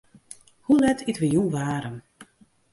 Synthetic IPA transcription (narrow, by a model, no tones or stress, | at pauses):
hulɛtʰitʋəjunʋaːɾəm